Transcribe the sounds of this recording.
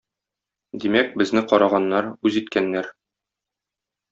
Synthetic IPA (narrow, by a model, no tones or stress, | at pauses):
d̪imæk̚bɘ̆znɘqɒɾɑʁɑnːɑɾʉzit̪kænːæɾ